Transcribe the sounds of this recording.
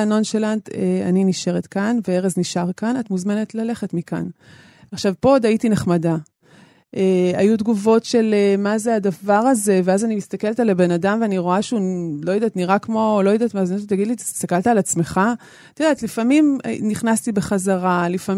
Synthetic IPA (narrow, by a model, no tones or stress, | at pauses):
no̞nʃelantea̰niniʃe̞ʁetkanveeʁezniʃaʁkanat̪muzme̞net̪lale̞χetmika̰n | aχʃavpood̪aitineχmada | eajudɡuvo̞tʃe̞lemazeadavaʁaze̞veazanimist̪ake̞lt̪alabe̞nadamveaniʁo̞aʃulo̞jodaːtniʁakmo̞lo̞jodat̪maːzinott̪ːaɡid̪litii̥st̪akalt̪aːlat͡smeχa | t̪odaːt̪lifamimniχnastibe̞χazaʁalifa